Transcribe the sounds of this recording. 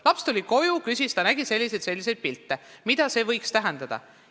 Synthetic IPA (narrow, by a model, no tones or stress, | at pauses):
lɑpst̪ulʲiko̞jukysist̪ɑnæɡ̥ise̞lʲːisejd̪se̞lʲːise̞jd̪̥̚pilt̪ːemid̪̥ɑse̞ːvɤ̞jkst̪æɦend̪̥ɑd̪̥ɑ̰